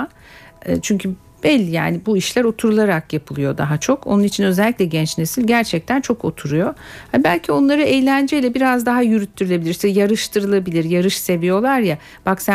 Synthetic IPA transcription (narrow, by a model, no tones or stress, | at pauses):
t͡ʃʰyɲcʰy | b̥ɛlʲːija̰ːnibuiʃlʲæɾo̞t̪ʰuɾulˠaɾakjapʰɯlˠujo̞d̪a̰ɦat͡ʃʰo̞ko̞̰nunit͡ʃʰinø̞zɛlʲːicʲlʲɛɟɛnt͡ʃnesilʲɟæɾt͡ʃʰɛc̚t̪ʰænt͡ʃʰo̞ko̞̰t̪ʰuɾujo̞habælʲcʰio̞nlˠaɾɯejlʲænd͡ʒɛilʲɛbiɾazd̪aɦajyɾyt̪ʰːyɾylʲe̞bilʲiɾʃt̪jaɾɯʃt̪ʰɯɾɯlˠabilʲiɾjaɾɯʃse̞vijo̞lˠaɾja | b̥aksæ